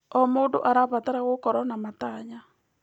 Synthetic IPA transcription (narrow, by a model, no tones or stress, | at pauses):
ɔmoːndo̰ʔaɾaβataɾaɣokɔɾɔnamataɲa